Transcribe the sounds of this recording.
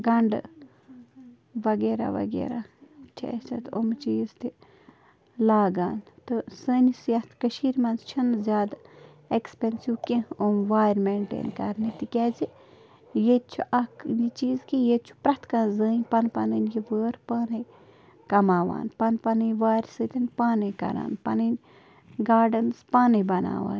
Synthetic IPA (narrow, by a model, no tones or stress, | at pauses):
ɡɐɳɖ | ʋɐɡeːɾa̰ʋɐ̰ɡḛːɾat͡ʃʰɐ̰et͡ʃʰɐt̪omt͡ʃiːzt̪i | laːɡaːnt̪ɨsəːnisjɐt̪ʰkəʃiːɾmɐnzt͡ʃʰɐnzʲaːd̪ | ekspensiwkẽomʋaːɾmeːɳʈḛːnkɐɾnit̪ikʲɛːzi | jet̪t͡ʃʰuʔɐkjit͡ʃiːzkijet͡ʃʰu̥pɾɐt̪ʰkãːnzəːnʲpɐnpɐnɨnjiʋəːɾpaːnɨj | kɐmaːʋa̰ːnpɐnpɐnɨjʋaːɾsɨt̪ʲɐnpaːnɨkɐ̰ɾa̰ːnpɐnɨnʲ | ɡaːɖɐnspaːnɐjbɐna̰ːʋa̰ːn